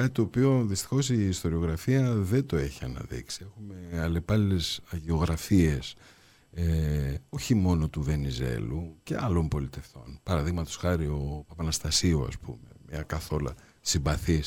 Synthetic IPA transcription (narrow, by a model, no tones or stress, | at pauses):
kɐt̪it̪oːpio̞ðist̪i̥xo̞siːst̪o̞ɾio̞ɣɾɐfiɐðe̞nd̪o̞e̞çiɐnɐ̰ðḭksie̞xume̞ɐle̞pɐlile̞sɐʝeo̞ɣɾɐfies | eo̞çimo̞no̞t̪uve̞nizḛluce̞ɐlo̞mpo̞lit̪e̞ft̪o̞̰npɐɾɐðiɣmɐt̪o̞sxɐɾio̞ɐpɐnɐst̪ɐsioɐ̰spṵme̞̰mɲɐkɐθo̞lɐ̰ | simbɐθis